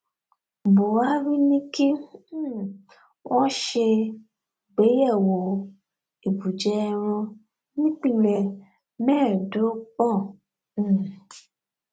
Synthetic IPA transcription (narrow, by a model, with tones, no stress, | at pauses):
bo˨wa˦ɾi˦nĩ˦ki˦ | wɔ̃˦ʃe˧ | ɡ͡be˨˦jɛ˦˨wo˨ | i˨bu˨d͡ʒɛ˦˧ɾɔ̃˧ | nĩ˦k͡pĩ˦˨lɛ˨ | mɛ˦˨do˨˦k͡pɔ̃˦˨˦